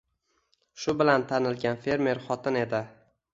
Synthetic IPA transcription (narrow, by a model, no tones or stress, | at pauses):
ʃʊbɪlant̪ʰanɪlɡʲanfe̞ɾme̞ɾχɒt̪ʰɪne̞d̪ɪ